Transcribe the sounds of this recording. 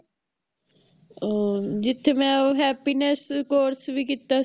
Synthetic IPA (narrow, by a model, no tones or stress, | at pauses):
oːd͡ʒɪt̪ʰːeːmɛ̃ːoːɦɛːpiːnəskoːɾsʋiːkiːt̪aː